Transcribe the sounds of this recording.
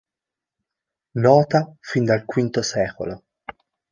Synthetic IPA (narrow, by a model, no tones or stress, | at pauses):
nɔːt̪afind̪alkwint̪osɛːko̰lo